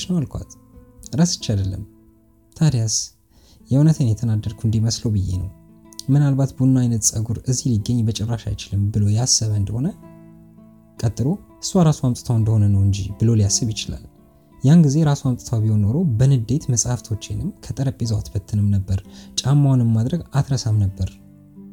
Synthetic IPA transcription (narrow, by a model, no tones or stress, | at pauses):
ʃnəwalkʰʷa̰t̪ | ɾasɨ̥t͡ʃːad̪əlːə̰m | t̪ʰad̪jas | jɛwnət̪ʰenjɛt̪ʰənad̪ːəɾkʰuɨnd̪iməslowbɨjːḛnəw | mɨnalbat̪bunːajnət̪sʼəɡuɾɨziliɡːəɲːbət͡ʃʼɛrːaʃa̰jt͡ʃɪlɨmbɨlo̞jasːəβəɨnd̪əho̞nə | kʼət̪ʼːɨɾohɨ̥swaɾasoamt̪ʼɨt̪ʰawɨnd̪əhonənəwɨɲd͡ʒibɨlo̞lijasːɨβjɪt͡ʃɪla̰l | janɡize̞ɾasoamt̪ʼɨt̪ʰawbiho̞nːo̞ɾo̞bənɨd̪e̞t̪məsʼaft̪ʰo̞t͡ʃːenɨmkʰət̪ʼəɾəpʼːizəwa̰t̪bət̪ʰːɨnɨmnəbːəɾt͡ʃʼamːawnɨmːad̪ɾəɡat̪ɾəsamnəbːəɾ